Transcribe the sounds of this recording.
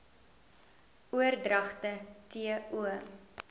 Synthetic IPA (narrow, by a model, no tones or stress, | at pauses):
uərdrɐχtətiəuə